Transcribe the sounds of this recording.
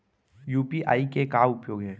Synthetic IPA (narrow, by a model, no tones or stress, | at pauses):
juːpiʔa̰ːikekaːʊpjoːɡɦɛː